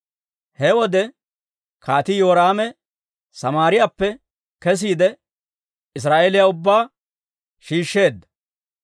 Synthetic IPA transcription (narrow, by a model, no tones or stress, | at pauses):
hɛwɔd̪ɛ | kʰaːt̪ɪjoːɾaːmɛ | sɐmaːɾɪjapːɛ | kɛs̬iːd̪ɛ | ɪs̬ɾaːʔelɪjaʊbːaː | ʃiːʃːe̞ːd̪ːɐ̥